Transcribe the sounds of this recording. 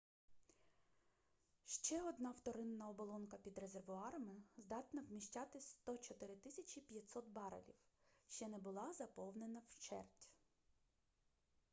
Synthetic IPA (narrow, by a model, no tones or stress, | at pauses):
ʃt͡ʃɛɔd̪nɑwt̪ɔɾɪnːɐɔbɔlˠɔnkɐpʲid̪ɾe̞zerʋʊɑɾɐmɪzd̪ɑt̪nɐwmʲiʃt͡ʃʲɑt̪ɪsʲst̪ɔt͡ʃɔt̪ɪɾɪt̪ɪsʲɐt͡ʃʲipʲjɐt̪ʲsɔt̪̚bɑɾɐ̰lʲḭwʃt͡ʃɛnɛbʊlˠɑzɐpɔwne̞nɐwt͡ʃɛ̰rtʲ